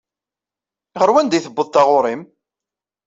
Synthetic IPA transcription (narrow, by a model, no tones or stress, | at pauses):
ʁəɾwænd̪jθəbːəðˤt̪ɑʁʊɾˤim